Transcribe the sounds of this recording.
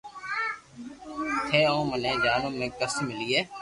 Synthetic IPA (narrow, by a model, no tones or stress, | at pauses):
t̪ʰeːõːmənẽːd͡ʒaːnõːmẽːkəsmɪliːɛː